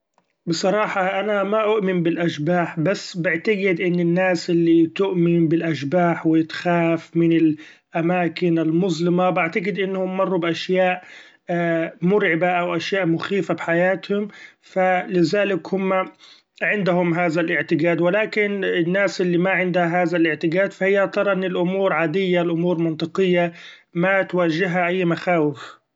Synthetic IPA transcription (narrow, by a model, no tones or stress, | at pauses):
bɪsˤɑɾˤɑːħɑʔanamaʔʊʔmɪmbɪlʔaʃbaːħbasːbɪʕt̪aɡɪd̪ʔɪnːɪnːaːsʔɪlːit̪ʊʔmɪnbɪlʔaʃbaːħwɪt̪xaːfmɪnɪl | ʔamaːkɪnɪlmʊzlɪmabaʕt̪aɡɪd̪ʔɪnːhʊmːɑrˤːubʔaʃjaːʔ | mʊɾʕɪbaʔawʔaʃjaːʔmʊxiːfabħajaːt̪hʊmfalɪzaːlɪkhʊmːa | ʕɪnd̪ɦʊmɦaːðalʔɪʕt̪ɪɡaːd̪wɪlaːkɪnɪnːaːsʔɪlːimaʕɪnd̪haɦaːðalʔɪʕt̪ɪɡaːd̪fahɪjːat̪ɑɾˤɑʔɪnːɪlʔʊmuːɾʕaːd̪ɪjːalʔʊmuːɾmɪnt̪ˤɨqɪjːa | mat̪waːʒɪɦaʔajːmaxaːwɪf